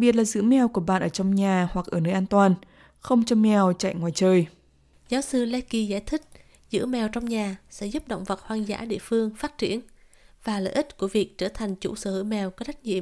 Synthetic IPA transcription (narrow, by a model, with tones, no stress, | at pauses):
ɓi˨˩ət̚laː˨˩zɨ̰˧˥mɛ˧wku˧˩əɓa̰ː˧˨nʔəː˧˩t͡ɕɔ˧wŋ͡mɲaː˨˩wa˨˩k̚ʔəː˧˩nəː˧˦jʔaː˧nt̪waː˨˩n | xə˧wŋ͡mt͡ɕɔ˧mɛ˧˨˩wt͡ɕa̰˧˨jŋwaː˨˩jt͡ɕəː˨˧j | zaː˨˦wsɨ˧lɛ˧˥ki˨˩zaː˧˩jt̪ʰï˦˥k̚ | zɨ̰˧˥mɛ˨˩wt͡ɕɔ˧wŋ͡mɲaː˨˩sɛ̰˧˥zu˦˥p̚ɗə̰˧˨wŋ͡mvə˨˩t̚hwaː˧ŋza̰ː˧˥ɗḭ˧˨əfɨ˧əŋfaː˦˥t̚t͡ɕi˧˩ən | vaː˨˩lə̰ː˧˨ʔï˦˥t̚ku˧˩əvi˨˩ək̚t͡ɕəː˧˩t̪ʰa˨˩jŋ̟t͡ɕṵ˧˥səː˧˩hɨ̰˧˩jmɛ˨˩wkɔː˨˦˥ɗa˦˥k̚ɲḭ˧˨ə˨m